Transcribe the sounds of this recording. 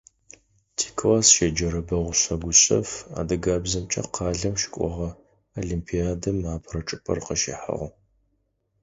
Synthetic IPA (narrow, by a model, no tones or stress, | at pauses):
tʰi̥ːkʰlaːsʃed͡ʒɐɾɐbɐʁʷʊɕɐɡʷʊɕʼɐ̰fa̰ːdɨɡaːbzɐmt͡ʃʼɐ̰qʰɑːɮɐmʃɪ̥kʷʼɔ̰ʁɐ | oɮimpʰiaːdɨmaːpʰrɐʈ͡ʂʼɨpʰɐ̰rqəʃḭħa̰ʁʷʊ